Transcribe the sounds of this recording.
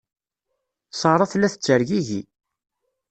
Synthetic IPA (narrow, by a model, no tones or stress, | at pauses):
sˤɑɾˤɑθlːæθə̥t͡sːəɾʝiʝḭ